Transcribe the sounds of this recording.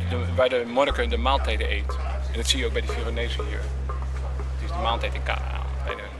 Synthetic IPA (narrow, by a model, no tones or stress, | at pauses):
də | ʋaːdəmɔnəkəndəmaːlˠtɛjdəʔeːt | ɛ̃ndɔtsiːəjəowk̚bɛjdəfironeːzəhḭːɹ | tɪsdəmaːlˠtɛjtɪnka̰a̰ | tɛ̰jdə